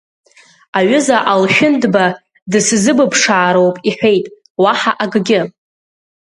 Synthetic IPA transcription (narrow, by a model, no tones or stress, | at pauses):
aɥʏzaʔalʃᶣʊndba | dɨszɨbɨpʰʂaːɾowpʼiħʷᶣe̞jtʼ | waħaʔaɡɡʲɪ